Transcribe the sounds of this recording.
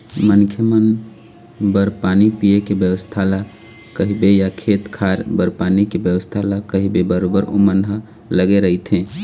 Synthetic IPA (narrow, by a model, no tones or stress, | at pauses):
mənkʰjəmən | bəɾpanipiekebjəwəst̪ʰala | kəɦibejakʰeːt̪kʰaɾbəɾpanikebjəwəst̪ʰalakəɦibebəɾobəɾo̰mənɦə | ləɡeɾəɦit̪ʰẽ